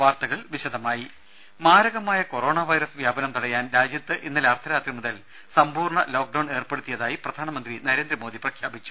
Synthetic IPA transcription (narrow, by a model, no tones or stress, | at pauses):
ʋaːrt̪ɐɣɐɭʋiɕɐd̪ʱɐmaːji | maːɾɐɣɐmaːjɐko̞ɾo̞ːɳaʋɐjɾɐsʋjaːbɐnɐmt̪ɐɽɐjaːnɾaːd͡ʑjɐt̪ːɨʔinːɐlɐrt̪ʰɐɾaːt̪rimuðɐl | sɐmbuːrɳɐlo̞ːk̚ɖɐwɳe̞ːrpeɽut̪ːijɐðaːjiprɐd̪ʱaːnɐmɐnd̪rinɐɾeːnd̪ɾɐmoːd̪iprɐkʰjaːbit͡ɕːu̥